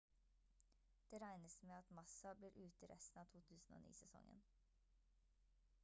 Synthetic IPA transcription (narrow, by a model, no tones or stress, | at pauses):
d̪̥eːɾæɪnəsmeːɑt̪mɑsɑbliːɾʔʉːt̪əɾɛ̰st̪n̩ɑːʋt̪ʰuːt̪ʰʉːsn̩o̰ːnḭːsɛsɔ̰ŋə̰n